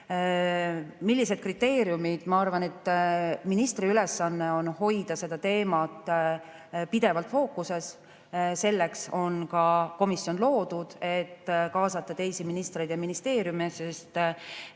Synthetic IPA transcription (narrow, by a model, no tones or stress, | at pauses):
milːise̞d̪̚krit̪ːe̞ːɾjumid̪̥mɑɑrvɑne̞t̪ːminist̪riyle̞sːɑnːe̞o̞nho̞jd̪̥ɑse̞d̪̥ɑt̪e̞ːmɑt̪ːˑ | pid̪̥e̞vɑlt̪ːˑfo̞ːkːuse̞s | se̞lːe̞kso̞nkɑko̞misjo̞nlo̞ːd̪̥ud̪̥e̞t̪ːkɑːsɑt̪ˑːɑt̪e̞jsiminist̪re̞jd̪̥jɑminist̪e̞ːɾjumesest̪